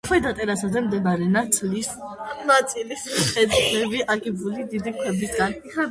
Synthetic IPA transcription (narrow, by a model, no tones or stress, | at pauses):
kʰwɛd̪at̪ʼɛɾasazɛmd̪ɛbaɾɛnat̪sʼlisnat̪sʼilisɛd̪zʰlɛbiʔaɡibulid̪id̪ikʰwɛbisɡan | a